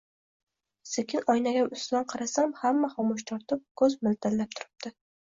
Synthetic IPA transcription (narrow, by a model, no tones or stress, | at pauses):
sekʲʰɪnɒjnaɡʲaʊst̪d̪anqʰɑɾasamhamːaχɒmʊʃ̬t̪ʰɒɾt̪ɪp̚kʰɵzmɪlt̪ʰalːap̚t̪ʰʊɾɪp̚d̪̥ɪ